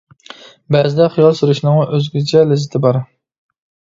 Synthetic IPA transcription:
bæzɪd̪ɛχijɑlˠsuɾuʃnɨŋɑʔøzɡʲyt͡ʃʰɛlɪzɪt̪ʰɪbɑɾ

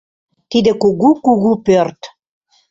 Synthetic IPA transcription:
t̪id̪ɘ̆kuɣukuɣupørt̪

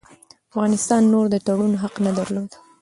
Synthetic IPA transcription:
afɣɑnɪst̪ɑnːoɾd̪ət̪aɽunɦaqnad̪aɾlod̪

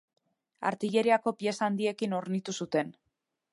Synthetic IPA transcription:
a̰ɾt̪iʎe̞ɾiako̞pie̞saːnd̪ie̞kino̞ɾnit̪usut̪e̞n

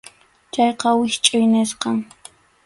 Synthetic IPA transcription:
t͡ʃɑjqɑwɪʃt͡ʃʼʊjnɪsqɑŋ

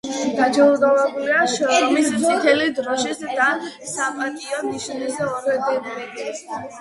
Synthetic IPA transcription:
d̪̥ad͡ʒɛud̪ɔvɛbuliaʃɔmisit̪ʰɛlid̪ɾɔʃisd̪a | sapʼat̪ʼiɔmiʃnizɛɔɾɛd̪ɛɾɛd

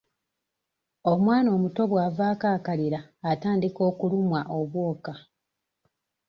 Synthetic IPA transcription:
o̞mwaːno̞ːmuto̞βwaːvaːkaːkaliɾaːtaːndiko̞ːkulumwaʔo̞βwo̞ːka

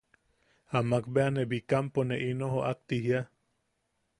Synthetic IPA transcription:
amakbeanebikamponeʔinohoʔak̚t̪iɦia

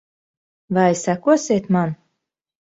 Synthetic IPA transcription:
vajsakuɔsʲieːt̪man

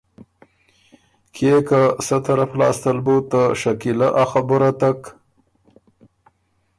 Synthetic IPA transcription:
kʰekasət̪aɾaflɑ̰ːst̪əlbut̪ːaʃakilaʔaxabʊɾat̪ak

